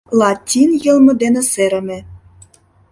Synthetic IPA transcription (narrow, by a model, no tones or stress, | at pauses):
lˠɑtʲinjɤ̆lˠmɤ̆d̪enĕseɾɘ̆mĕ